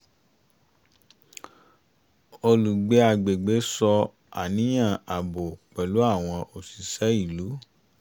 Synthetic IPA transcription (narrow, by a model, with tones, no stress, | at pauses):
o˧lu˨ɡ͡be˨˦a˧˨ɡ͡be˨ɡ͡be˨˦sɔ˧ | a̰˨nĩ˨˦j̃ã˦˨a˨bo˨k͡pɛ˨lu˨˦a˦˨w̃ɔ̃˧ʔo˨si˨sɛ˨˦i˦˨lu˨˦